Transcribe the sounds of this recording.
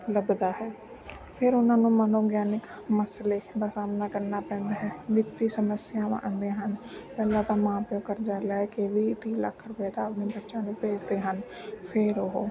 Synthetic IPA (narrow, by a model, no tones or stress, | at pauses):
ləbd̪aːɦɛː | pʰɪɾʊnãːnũːmənoːɡjaːnɪk | məsleːd̪aːsaːmnaːkəɾnaːpɛ̃ːnd̪aːɦɛːʋɪt̪iːsəməsɪjãːmã̰ːənd̪eːɦənpɛːlãːt̪ãːmãːpjõːkəɾd͡ʒaːlaːkeʋiːt̪iːla̰ːkʰːəɾpɛːt̪apnĩːbətːʃãːnũːpeːd͡ʒd̪eːɦən | pʰɪɾoɦoː